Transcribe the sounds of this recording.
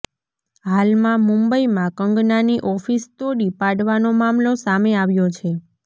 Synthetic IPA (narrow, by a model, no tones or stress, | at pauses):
ɦalmãmũmbəimãkəŋɡnaniʔɔfist̪oɽipaɽʋanomamlosameaʋjot͡ʃʰe